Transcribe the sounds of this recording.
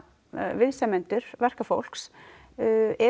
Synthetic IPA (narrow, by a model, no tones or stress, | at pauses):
vɪðsɛmɛnt̪ʏɾ̥vɛr̥kafo̰wl̥ks | ɛ